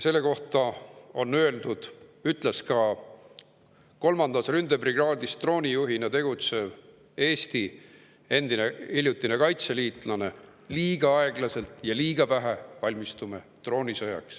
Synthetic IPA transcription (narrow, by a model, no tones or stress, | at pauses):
se̞lːe̞ko̞ht̪ɑo̞nːøe̞ld̪̥ud̪̥yt̪ˑleskɑ | ko̞lmɑnd̪ɑsrynd̪̥e̞briɡɑːd̪̥ist̪ro̞ːnʲijuɦinɑt̪e̞ɡ̥ut̪se̞v | e̞ːst̪i | e̞nd̪̥ineilʲjut̪ːˑine̞kɑjt̪se̞liːt̪ˑlɑne̞ | liːɡ̥ɑɑe̞ɡ̥lɑse̞lt̪ˑjɑliːɡ̥ɑvæɦevɑlʲmist̪ume | t̪ro̞ːnʲisɤjɑ̰ks